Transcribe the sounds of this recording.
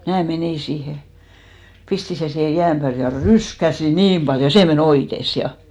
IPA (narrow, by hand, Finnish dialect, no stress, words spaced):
mnæː meniˑ siːhe pisti sen siːhe jæːm pæːl jɑ ryskæsi niːm b̥ɑljo seˑ men oites jɑ